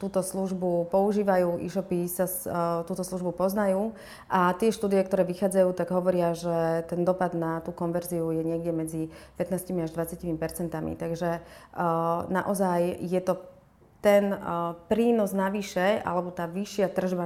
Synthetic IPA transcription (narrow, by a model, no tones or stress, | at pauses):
t̪uːt̪ɔsluʒbupɔuʒiːʋajuːʔḭʃɔpisast̪uːt̪ɔsluʒbupɔznajuː | ʔat̪ɪɛʃt̪uːd̪ijɛk̚t̪ɔɾɛːʋixaːd͡zajuːt̪aɡɦɔʋɔɾɪaʒɛt̪ɛnd̪ɔpad̪nat̪uːkɔnʋɛɾziujɛɲɪɛɡɟɛmɛd͡zipɛt̪naːscimiaʒd̪ʋat͡sjacimipɛɾt͡sɛnt̪amḭt̪aɡʒɛ | naʔɔzajjɛt̪ɔ | t̪ɛnpɾiːnɔznaʋiʃɛa̰lɛbɔt̪aːʋiʃɪat̪r̩ʒba